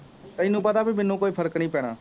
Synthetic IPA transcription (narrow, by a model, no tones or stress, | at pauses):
t̪əɪnũːpət̪aːbimɪnːũːkoːiːpʰəɾəknĩːpɛːɽ̃aː